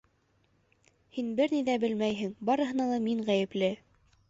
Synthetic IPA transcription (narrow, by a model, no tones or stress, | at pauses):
hinbɘɾniðæbɘlmæjɦɘŋbɑɾɤ̆ɦɤ̆nɑlˠɑmiɴʁæjɘ̆plɘ